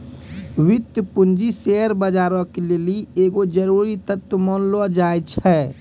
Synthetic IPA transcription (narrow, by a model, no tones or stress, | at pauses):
ʋɪt̪ːəpʊnd͡ʒiseəɾbəd͡ʒaːɾõkelelieːɡod͡ʒəɾuːɾit̪ət̪wəmɔnlad͡ʒaːjt͡ʃʰɛː